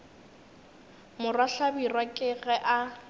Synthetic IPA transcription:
mʊraɬabirwakʼɪɣɛʔa

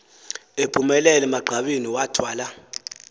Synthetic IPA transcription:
epʰʼumɛlɛlɛmaɡ͡ǃʱaɓiniwatʰwaːla

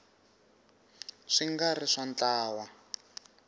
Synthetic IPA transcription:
ʂiŋɡariʂant͡ɬaːwa

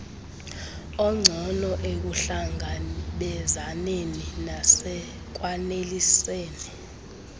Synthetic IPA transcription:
ɔŋ͡ǀʱɔnɔʔek̬uɬaŋʱaɓɛzaneninasɛ | k̬waneliseːni

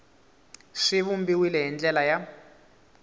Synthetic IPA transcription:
ʂiβumbiwilɛɦind͡ɮɛlaja

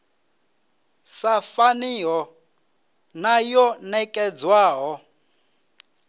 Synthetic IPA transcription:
safaniɦɔ | najɔnɛkʼɛd͡zwaːɦɔ

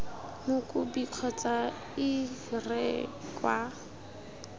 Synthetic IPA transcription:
nʊkʼʊbiq͡χʰɔt͡sa | ɪrɛkʼwa

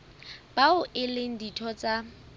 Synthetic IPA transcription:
b̥aʊʔɪleŋ̩ditʰɔt͡sʼa

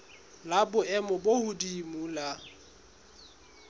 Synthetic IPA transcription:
labʊɛmɔbohʊdimula

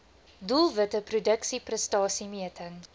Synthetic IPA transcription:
dulˠvətəprudəksiprəstɑːsimiətʰəŋ

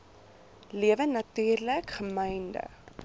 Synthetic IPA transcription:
liəvənːɐtyːrləkχəməjndə̰

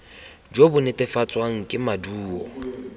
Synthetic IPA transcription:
d͡ʒobʊnɪtʼɪfat͡sʼwaŋ̩kʼɪmaduːɔ̰

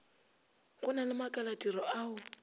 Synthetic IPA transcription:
kʼʊnalɪmakʼalatʼirɔʔaːʊ

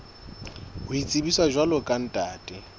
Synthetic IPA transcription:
ʊit͡sʼibiswaʒwalʊkʼan̩tʼaːtʼɪ

